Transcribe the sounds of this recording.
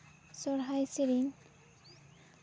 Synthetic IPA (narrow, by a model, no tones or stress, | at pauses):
sɔɾɦajsiɾin